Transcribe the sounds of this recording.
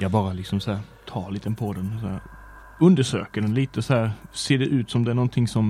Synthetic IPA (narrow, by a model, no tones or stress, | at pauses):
jɑbɑːɾəlɪksɔmsæːɾ | t̪ʰɑːlɪːt̪ɛnpʰoːd̪ɛnsæ | ʉnd̪əʂø̰ːkəɖ̪ɛnliːt̪əshæːɾseːd̪ɛʔʉːt̪sɔmd̪ɛæɳnɔːnt̪ʰɪŋsɔm